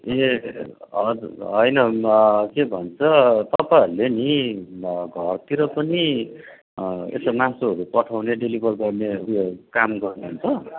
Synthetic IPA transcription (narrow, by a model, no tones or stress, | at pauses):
e | ʌɦʌjnʌkebʱʌnt͡sʰʌt̪ʌpajɦʌɾuleni | ɡʱʌrt̪iɾʌpʌni | ḛsʌmãsoɦʌɾupʌʈʰawneɖelibʱʌrɡʌrneʌɾuukamɡʌrnuɦunt͡sʰʌ